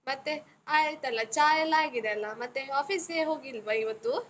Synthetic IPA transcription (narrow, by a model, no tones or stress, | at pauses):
mɐt̪ːe | aːjt̪ːɐlːɐt͡ʃaːjɐlaːɡid̪eɐlːɐmɐt̪ːeaːpʰiseːɦoːɡilʋɐiʋɐt̪ːu